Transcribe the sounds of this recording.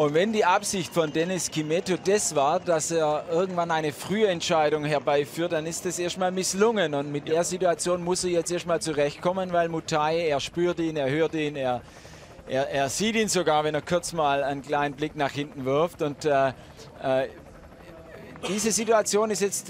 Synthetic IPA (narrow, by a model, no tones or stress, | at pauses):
ʔʊntvɛndiːʔapsɪçtfɔndɛnɪskʰimɛtodɛsv̥aːɐd̥aseːɐʔɪɐɡŋ̩tv̥anaɪnəfʁ̥yːɛntʃaɪdʊŋɦɛɐbaɪfyːɐt̚d̥anɪstdasʔeːɐstmaːlmɪslʊŋənʊntmɪt̚d̥eːɐzituat͡sjoːnmʊsejɛt͡stʔeːɐstmaːlt͡suʁɛçt̚kʰɔmənvaɪlmutʰaeːɐʃpyːɐtiːneːɐhøːɐtiːneːɐ | ʔeːɐeːɐz̥iːtiːnzoɡaːɐvɛneːɐkʰʊɐt͡smaːlaɪnkl̥aɪnənblɪknaːχhɪntn̩vɪɐftʊntɛː | ʔɛː | d̥iːzəzituat͡sjoːnɪstjɛt͡st